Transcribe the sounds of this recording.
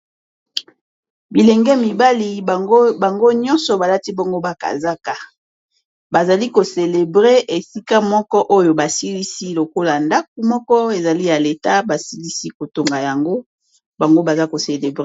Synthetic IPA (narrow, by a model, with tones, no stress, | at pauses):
bi˨lɛ˨ŋɡɛ˦mi˨ba˦li˨ba˨ŋɡo˦ɲɔ̃˦nsɔ˨ba˨la˦ti˦bɔ˦ŋɡo˦ba˨ka̰˨za˦ka˨ | ba˨za˨li˦ko˨se˨le˨bʁe˦ʔe˨si˦ka˦mɔ˦kɔ˦ʔo˦jo˨ba˨si˦li˦si˦lo˨ko˦la˨nda˦k̚u˨mɔ˦kɔ˦e˨za˨li˦ja˨le˨ta˦ba˨si˦li˦si˦ko˨to˨ŋɡa˨ja˨ŋɡo˦ | ba˨ŋɡo˦ba˨za˦ko˨se˨le˨bʁe˦